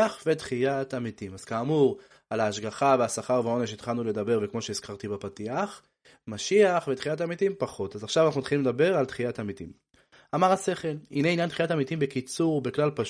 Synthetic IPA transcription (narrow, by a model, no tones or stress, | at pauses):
aχvetχijatamitimaz̥kaːmuʁ | alaːʃɡaχaveasaχaʁvao̞neʃ̬it̪χalnuled̪abe̞ʁvekmo̞ʃeiz̥kaʁt̪ibapatiaχ | maʃiaχvet̪χijat̬amitimpaχo̞tazaχʃavanaχnuitχilimled̪abe̞ʁalt̪χijatamitim | amaʁase̞χe̞lineinjant̪χijatamitimbe̞kit͡suʁbeklalpaʃ